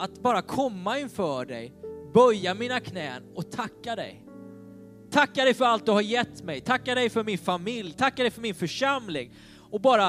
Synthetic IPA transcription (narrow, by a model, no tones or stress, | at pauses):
at̪bɑːɾakʰɔmːaɪnfœːɖɛ̰jbœɾjamiːnakʰnɛːnɔt̪ʰakːad̪ɛ̰j | t̪ʰakːad̪ɛjfœɾalt̪̚d̪ɵhaɾjɛt̪ːmɛjt̪ʰakːad̪ɛjfœɾmɪnfamɪljt̪ʰakːad̪ɛjfœɾmɪnfœʂamlɪŋ | ɔbɑːɾa